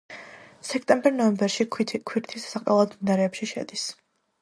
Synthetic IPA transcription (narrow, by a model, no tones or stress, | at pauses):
sɛkʰt̪ʼɛmbɛɾnɔɛmbɛɾʃikʰwiɾt̪ʰissaqʼɛlˠad̪minaɾɛːpʃiʃɛ̰d̪is